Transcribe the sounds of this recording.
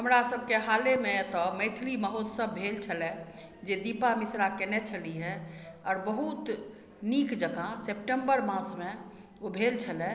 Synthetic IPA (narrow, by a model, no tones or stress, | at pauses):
ɦəmɾasəb̚ʱkeɦalemet̪ɔməɪt̪ʰliməɦot̪səbbʱelt͡ʃʰəlɛ | d͡ʒed̪ipamisɾakenɛt͡ʃʰəliɦɛɔːɾbəɦut̪ | nikd͡ʒəɡãsep̚ʈəmbəɾmãsme | obʱelt͡ʃʰəlɛ